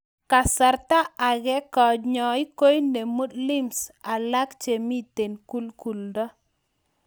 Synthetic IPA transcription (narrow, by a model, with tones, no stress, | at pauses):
ka˨sa˨ɾt̪a˦a˨ɡɛ˦kɔ˨d͡ʒɲɔ˨i˦ko˦jne˨mu˦dlɪ˦msa˨la˦kt͡ʃe˨mi˦t̪e˨nku˦lku˨ldɔ˦